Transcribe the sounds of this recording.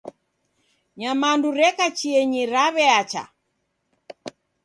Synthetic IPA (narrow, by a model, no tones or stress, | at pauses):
ɲamanduɾɛkat͡ʃiɛɲiɾaβɛat͡ʃa̰